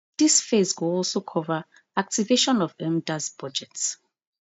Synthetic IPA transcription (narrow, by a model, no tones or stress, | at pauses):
d̥isfezwuɔlˠsokʰɔva | ak̚tiveʃɔ̃nɔvɛmdazb̥ɔd͡ʒɛts